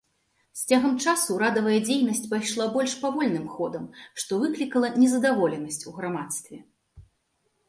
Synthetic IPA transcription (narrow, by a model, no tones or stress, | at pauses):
sʲt͡sʲaɣɐmt͡ʂasuɾad̪ɐvɐjɐd͡zʲejnɐsʲt͡sʲpajʂlˠabɔlʲʂpavɔlʲnɨmxɔd̪ɐmʂt̪ɔvɨklʲikɐlˠɐnʲɛzɐd̪avɔlʲɛnɐsʲt͡sʲuɣɾamat̪st̪vʲɛ